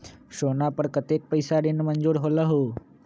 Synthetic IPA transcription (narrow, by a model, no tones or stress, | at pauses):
ʃoːnapəɾkət̪eːk̚pəɪsaɖɪnmə̃nd͡ʒuːɾɦoːlaɦoː